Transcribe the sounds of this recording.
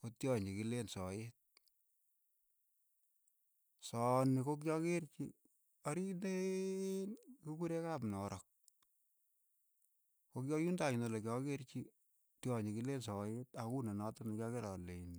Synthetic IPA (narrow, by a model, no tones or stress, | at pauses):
kotjɔɲikilensɔjet̚ | sɔnikok̬jɔkert͡ʃḭ | aɾine | nkukuɾekapnɔɾɔk̚ | kokjɔjundaɲinolekjɔkert͡ʃi | tjɔɲikilensɔjetakunenɔtɔnikjɔkeɾɔlein